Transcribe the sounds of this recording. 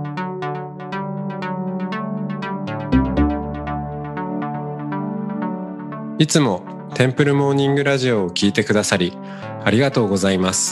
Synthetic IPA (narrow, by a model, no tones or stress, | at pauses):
it͡sɨmo̞ | t̪ʰẽ̞mpɯ̟ɾɯ̟mo̞ːɲ̟ĩŋɡɯ̟ɾaʑio̞ːkʲiːt̪e̞kɯ̟d̪asaɾʲi | aɾʲiɡat̪o̞ːɡo̞zaimasɨ̥